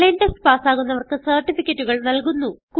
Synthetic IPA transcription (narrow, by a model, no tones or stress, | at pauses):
enʈɐsʈpaːsaːɣunːɐʋɐrkɨsɐrʈifikʲːɐtːuɣɐɭnɐlkunːuku